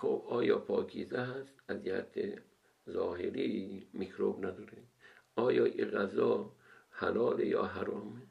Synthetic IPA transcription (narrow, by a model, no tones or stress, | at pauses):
xobɒːjɒːpʰɒːkʰizæɦast̪azihæ̰t̪ʰḛ | zɔːɦeɾimikɾobnad̪ɔːɾed̪ɒːjɔːʔiɣazɔːhalɔːlejɒ̰ːɦaɾɒːme